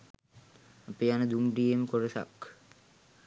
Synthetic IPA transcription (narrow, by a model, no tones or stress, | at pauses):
apeanəd̪umɖijeməkoɾəsa̰k